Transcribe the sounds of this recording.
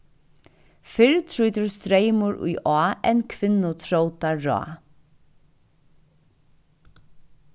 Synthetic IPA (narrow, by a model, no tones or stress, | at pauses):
fɪɾt̪ʰɾujt̪ʏɹst̪ɾejmʊɾʊ̰jʔɔːɛ̰nkʰʋɪnːʊt̪ʰɾowt̪aɹɔ̰ː